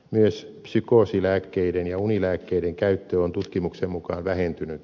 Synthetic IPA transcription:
myøspsykoˑsilæːkːeiɾenjɑunilæːkːeideŋkæyt̪ːøont̪ut̪kimuksemmukɑːnʋæhent̪ynyt̪

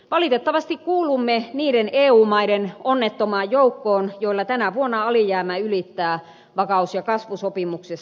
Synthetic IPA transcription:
ʋɑlit̪et̪ːɑʋɑst̪ikkuːlumːeniːɾeneːuːmɑiɾenonːet̪ːomɑːjjoukːoːnjoilːɑt̪ænæʋuonːɑɑlijæːmæylit̪ːæː | ʋɑkɑusjɑkɑsʋusopimukses

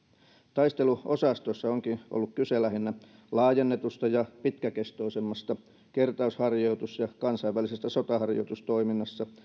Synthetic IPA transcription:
t̪ɑist̪eluʔosɑst̪osːɑoŋkiʔo̰lːukkyselæhinːæ | lɑːjenːet̪ust̪ɑjɑpit̪kækest̪oisemːɑst̪ɑ | kert̪ɑushɑrjoit̪usjɑkɑnsɑiʋælisesːæsot̪ɑhɑrjo̰it̪ust̪oiminːɑsːɑ

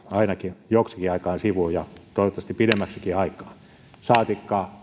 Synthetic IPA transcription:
ɑinɑkijoksikiɑikɑːnsiʋujɑt̪oˑiʋot̪ːˑɑstipidemːæksikiɑikˑɑː | sɑːt̪ikːɑː

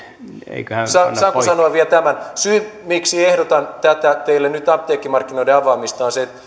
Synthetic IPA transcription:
ḛikøhæssɑsɑkːossɑnoɑʋiælt̪æmænsyːmiksiehdot̪ɑnt̪æt̪æt̪eilːennyt̪ɑp̚t̪eːkːimɑrkːinoiɾeɑʋɑːmist̪ɑːnset̪

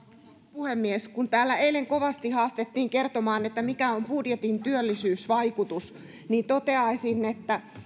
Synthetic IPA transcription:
puhemːieskunt̪æːlːæeileŋkoʋɑst̪ihɑːst̪et̪ːiːŋkert̪omɑːnet̪ːæmikæompudjet̪int̪yølːisyːsʋɑikut̪us | niːnt̪ot̪eɑisinːet̪ːæ

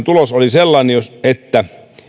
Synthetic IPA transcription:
nt̪ulosoliselːɑnejoset̪ːæ

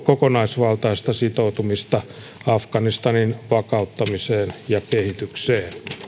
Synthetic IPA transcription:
kokonɑisʋɑlt̪ɑist̪ɑsit̪out̪umist̪ɑ | ɑfkɑnist̪ɑninʋɑkɑut̪ːɑmiseːnjɑkehit̪ykseːn

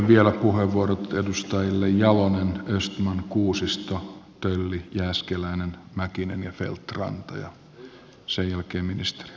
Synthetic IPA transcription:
ʋʋielæpuheʋːuorot̪edust̪ɑjilːejjɑlonenøst̪mɑnkuːsist̪ot̪ølːijæːskelæinenmækinḛnjɑfḛlt̪rɑ̰nt̪ɑ̰jɑ̰ | sejjælkeːmminist̪e̥ri

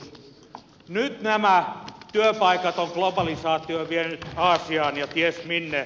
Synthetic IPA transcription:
nyt̪næmæt̪yøpɑikɑt̪oŋklobɑlisɑːt̪ːˑioʋienyt̪ɑːsiɑːnjɑt̪iesminːe

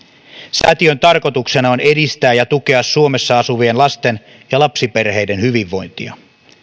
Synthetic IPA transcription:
sæ̰t̪iønt̪ɑrko̞t̪ukse̞nɑo̞ne̞dist̪æːjɑt̪uke̞ɑsːuome̞sːɑɑsuʋienlɑst̪e̞n | jɑlɑpsipe̞rɦe̞jde̞nhyʋiʋːo̞jnt̪iɑ̰

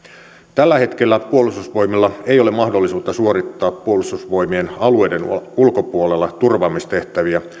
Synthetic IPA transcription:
t̪ælːæhe̞t̪kelːæpuolust̪usʋo̞jmilːɑejo̞lemɑhdolːisuːt̪ːɑsuoɾit̪ːɑːpːuolust̪usʋo̞imienɑluejdenulkopuolelːɑt̪urʋɑːmːist̪e̞ht̪æʋiæ

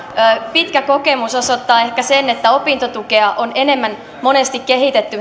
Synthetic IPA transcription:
øːpit̪kæko̞kemusosot̪ːɑːe̞hkæsenet̪ːæo̞pint̪ot̪ukeɑʔonene̞mːæn | mo̞nest̪ikkehit̪et̪ːy

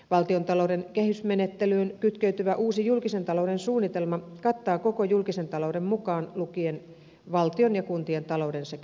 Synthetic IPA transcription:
ʋɑlt̪iont̪ɑloudenkehysmenet̪ːelyːnkyt̪køyt̪yʋæʔuːsijulkisent̪ɑlouɾensuːnːit̪elmɑkɑt̪ːɑːkokojulkisent̪ɑloudemmukɑːnlukien | ʋɑlt̪ionjɑkunt̪ient̪ɑloudensek

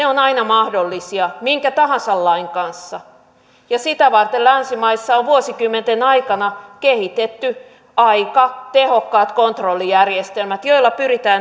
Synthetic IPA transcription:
neonɑinɑmɑhdolːisiɑmiŋkæt̪ɑhɑnsɑlːɑiŋkɑnsːɑ | jɑsit̪æʋɑrt̪ellænsimɑisːɑoʋʋuosikymːent̪enɑikɑnɑkehit̪et̪ːy | ɑikɑt̪ehokːɑːt̪kont̪rolːijærjest̪elmæt̪joilːɑpyrit̪æːn

